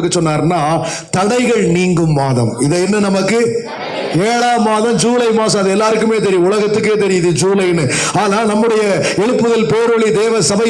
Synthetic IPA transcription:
kːɯt͡ʃɔnːaːɾnaː | t̪ɐɽɐɪɣɐɭniːŋɡɯmːaːðɐ̰̃mɪðɐɛnːɐnɐmɐkːɯ | eːɽaːmaːðɐmd͡ʒuːlɐɪmaːsɐ̃ɐðɯɛlːaːɾɯkːɯmeːt̪̬ɛɾɪjʊ̃ʊlɐɣɐt̪ːɯk̬ːeːt̪ɛɾɪjɐðɯd͡ʒuːlɐɪnɯ | aːnaːnɐmːɯɽɐjɐ | ɛɻɯpːɯðɐlpeːɾɐɭid̪eːʋɐsɐbɐ

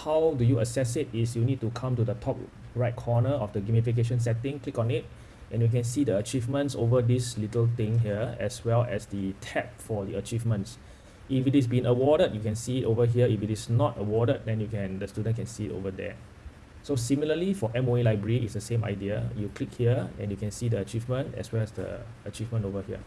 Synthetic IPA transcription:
hawdujuəsɛsɪtɪsjunid̚tukʰãmtudətʰɔp̚ | ɹaɪt̚kʰɔnəɔfdəɡimifik̬eʃ̬ə̃ns̬ɛtɪ̃ŋklikɔ̃nit̚ | ʔɛ̃njukɛ̃nsidəət͡ʃivmə̃ntsovədislitəlt̪ɪ̃ŋɦiəɛ̰swɛlɛ̰sditʰɛp̚fɔdiət͡ʃivmə̃nts | ʔifitis̬bĩŋəwɔɾəd̚jukɛ̃nsiːtovəɦiəifitisnɔtəwɔdəd̚dɛ̃njukʰɛ̃ndəstudə̃nkɛ̃nsiito̰vədɛ̰ | sosimiləlifɔʔɛ̃monilaɪbɹəɹiitsdəsẽma̰ɪdiəjuklikhiəɛ̰̃njukɛ̃nsiːdəət͡ʃivmə̃ntɛ̰swɛlɛsdə̰ | ət͡ʃivmə̃ntovəhiə̰

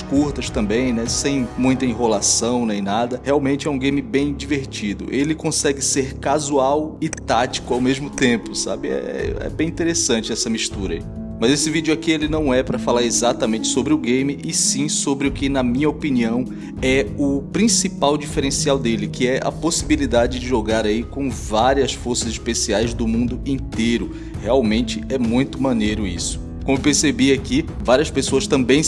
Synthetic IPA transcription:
ʃkuɾt̪ɐʃt̪ɐ̃mbẽj̃nɛsẽj̃mũj̃t̪ɐĩɦolasɐ̃w̃nẽj̃nad̪ɐheawmẽnt͡ʃɪɛũɡẽjmɪbẽj̃d͡ʒiveɾt͡ʃid̪ʊ̰ʔelɪkõsɛɡɪseɾkazuawɪt̪at͡ʃi̥kʊawmeʒmʊt̪ẽpʊsa̰bɪɛ̰ɛ̰ɛ̰bẽj̃ĩt̪eɾesɐ̃nt͡ʃɪɛsɐmiʃt̪uɾɐ̰i | mɐzesɪvid͡ʒʊakielɪnɐ̃w̃ɛpɾɐfalaɾezat̪ɐmẽnt͡ʃɪ̥sobɾɪʊɡẽjmɪʔɪsĩsobɾɪʊkɪnɐmĩɲɐopiniɐ̃w̃ | ɛʊpɾĩsipawd͡ʒifeɾẽsiawd̪elɪkɪɛʔɐ̰posibilid̪ad͡ʒɪd͡ʒɪʒoɡaɾaikõw̃vaɾiɐsfoɾsɐzɪʃpesiajzd̪ʊmũnd̪ʊĩt̪ejɾʊ | heawmẽnt͡ʃɪɛmũj̃t̪ʊmɐ̃nejɾʊḭsʊ̥ | kõmʊewpeɾsebiaki | vaɾiɐspesoɐst̪ɐ̃mbẽj̃

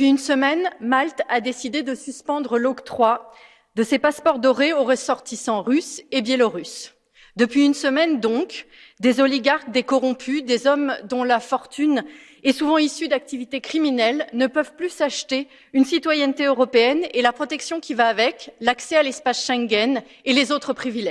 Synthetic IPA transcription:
əpɥiynsəmɛnmalt̪ad̪esid̪ed̪əsyspɑ̃d̪ʁəlɔkt̪χwa | d̪əsepaspɔʁd̪ɔʁeoʁəsɔʁt̪isɑ̃ʁysebjɛlɔʁys | d̪əpɥiynsəmɛnd̪ɔ̃k | d̪ezɔliɡaʁk̚d̪ekɔʁɔ̃pʰyd̪ezɔmd̪ɔ̃lafɔʁt̪yn | ɛsuvɑ̃isyd̪ak̚t̪ivit̪ekχiminɛlnəpœvplysaʃt̪e | ynsit̪wajɛnt̪eøʁɔpeɛnelapχɔt̪ɛksjɔ̃kʲivaːvɛklaksɛalɛspasʃɛ̃ŋɡʲɛn | elezot̪χəpχivilɛ

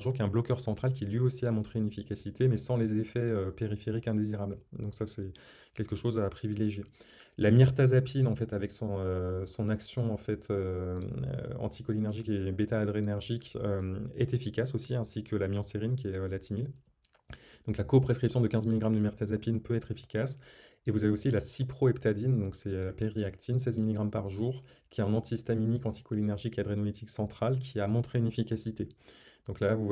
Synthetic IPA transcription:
ʒuʁkɛ̃blɔkʲœʁsɑ̃t̪χalk̬ʲilɥiosiamɔ̃t̪χeynefikasit̪emɛsɑ̃lezefɛøpeʁifeʁikɛ̃d̪eziʁabld̪ɔ̃ksasɛ | kʲɛlkəʃozapχivileʒje | lamiʁt̪azapʰinɑ̃fɛt̪avɛksɔ̃øsɔ̃naksjɔ̃ɑ̃fɛt̪ʰø | ø̰ɑ̰̃t̪ʰikɔlinɛʁʒikebet̪aːd̪ʁenɛʁʒikʲøɛ̰t̪efikʲasosiɛ̃sikʰəlamjɑ̃seʁinkʲiɛølat̪ʰimil | d̪̥ɔ̃klakɔpχeskχipsjɔ̃d̪əkʲɛ̃zmiliɡʁamd̪ymɛʁt̪azapinpøɛt̪χefi̥kʲas | evuzaveosilasipχoɛpt̪ad̪ind̪ɔ̃ksɛøpeʁiakt̪ʰinsɛzmiliɡʁampaʁʒuːʁ | kʲiɛɛ̃nɑ̃t̪ʰist̪aminikɑ̃t̪i̥kɔlinɛʁʒikead̪ʁenɔlit̪ʰiksɑ̃t̪χalkʲʰiamɔ̃t̪χeynefikʲasit̪ed̪̥ɔ̃klavu

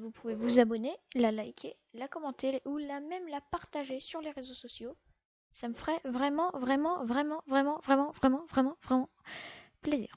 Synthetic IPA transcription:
vupuvevuzabɔnelalajkʲʰe | lakɔmɑ̃t̪eʔulamɛmlapaʁt̪aʒesyʁleʁezosɔsjo | saməfχɛvʁɛmɑ̃vʁɛmɑ̃vʁɛmɑ̃vʁɛmɑ̃vʁɛmɑ̃vʁɛmɑ̃vʁɛmɑ̃vʁɛmɑ̃plezḭːʁ

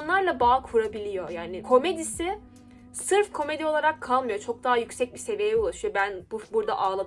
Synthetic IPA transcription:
nlˠaɾlˠabaːkʰuɾabilʲijo̞jaːnikʰo̞me̞d̪isɪ | sɯɾfkʰo̞me̞d̪io̞lˠaɾakʰːalˠmɯjo̞t͡ʃʰo̞k̚d̪aɦajycsɛc̚bise̞vijɛulˠaʃɯjo̞bænbubuɾd̪a̰ʔaːlˠa

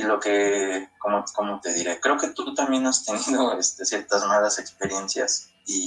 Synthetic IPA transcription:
ilo̞ke̞komoko̞mo̞t̪e̞ðiɾe̞kɾe̞oke̞t̪ut̪ambje̞nast̪e̞niðo̞e̞st̪e̞sje̞ɾt̪azmalase̞kspe̞ɾje̞nsja̰s | i

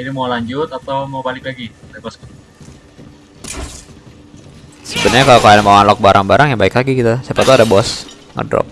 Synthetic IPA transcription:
idimawlaɲd͡ʒʊt̪at̪awmawbalɪklaɡidabɔskut̪ | səbənəɲakalokalajmawanlɔk̚baɾʔaŋbaɾaŋjaŋbaɪkaɡikit̪asapat̪uadabɔs | ŋə̰dɾɔ̰p̚

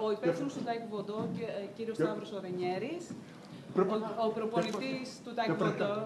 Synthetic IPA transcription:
oipesimost̪ot̪ɐkivod̪ociɾiosɐvɾosoɾeɲeɾis | opɾopoɾit̪ist̪ut̪ɐoo

